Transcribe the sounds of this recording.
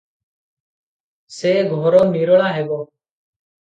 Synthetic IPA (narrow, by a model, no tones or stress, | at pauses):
seːɡʱoːɾoːmiːɾɭaːɦeːɡoː